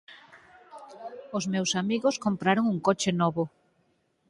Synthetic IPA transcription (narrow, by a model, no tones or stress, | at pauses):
ozmewsamiɣoskompɾaɾoŋuŋkot͡ʃenɔβo